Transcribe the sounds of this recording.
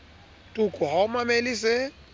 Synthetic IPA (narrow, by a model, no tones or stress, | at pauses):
tʼukʼʊɦaʊmamelisɪ